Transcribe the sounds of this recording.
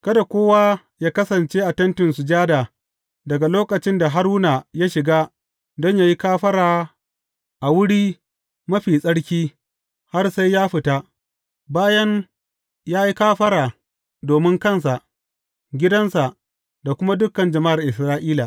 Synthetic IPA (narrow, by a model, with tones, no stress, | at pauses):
kɐ˦da˨kʷoː˦waː˦ | jaː˦kɐ˦sɐ˨nt͡ʃeː˦ʔa˨tɐ˦ntɪ˨nsʊ˨d͡ʒaː˦da˨ | dɐ˨ɡa˨loː˦kɐ˨t͡ʃɪ˦nda˨ɦa˦ɾuː˦na˨ja˦ʃɪ˨ɡaː˦ | dɔ˦ɲjaː˦ji˦kaː˦ɸɐ˦ɽaː˨ | ʔa˨wʊ˦ɽiː˦ | mɐ˦ɸiː˨sʼɐ˦ɽkʲiː˦ | ha˦rsa˦jːaː˦ɸɪ˨taː˦ | baː˦jɐ˦ŋ | jaː˦ji˦kaː˦ɸɐ˦ɾaː˨ | doː˨mɪ˦ŋkɐ˦ns̬a˨ʔ | ɡʲɪ˦dɐ˦nsa˨ʔ | da˨kʷʊ˦ma˦dʊ˦kːɐ˨nd͡ʒɐ˨ma˦ʔa˨ʔɪ˨sɾaː˦ʔiː˦la˨